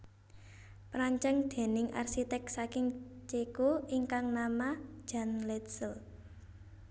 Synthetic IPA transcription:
pɾaɲt͡ʃɛŋd̪̥e̤nɪŋʔa̰rsit̪ɛk̚sakɪŋt͡ʃekoiŋkaŋnamḁd͡ʒ̥a̤nlɛt̪səl

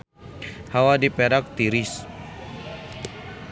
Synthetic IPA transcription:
hawadipɛɾak̚t̪iɾis

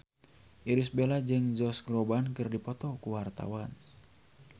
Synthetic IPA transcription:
ʔiɾisbelad͡ʒɨŋd͡ʒɔsɡɾɔbankɨrdipɔt̪ɔkuwart̪a̰wan

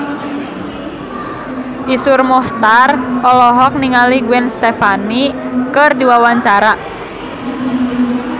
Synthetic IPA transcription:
ʔisʊrmɔht̪arɔlɔɦɔk̚niŋaliɡuɛnst̪efanikərdiwawaɲt͡ʃaɾa

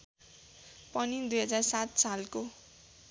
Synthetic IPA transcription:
pʌnid̪ujɦʌd͡zarsat̪salko

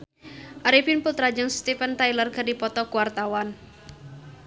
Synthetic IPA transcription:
ʔaɾipinput̪ɾad͡ʒəŋst̪ifənt̪ajlərkərdipɔt̪ɔkuwart̪awan

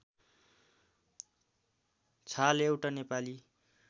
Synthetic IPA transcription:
t͡sʰalewʈanepali

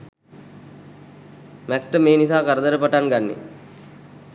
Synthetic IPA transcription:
mɛkʈəmeːnisaːkaɾəd̪əɾəpaʈaŋɡanːḛ

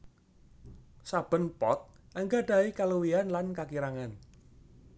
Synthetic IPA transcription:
sab̥ə̤npɔt̪̚ʔəŋɡaɖ̥a̤ikaluwianlankakiɾaŋan

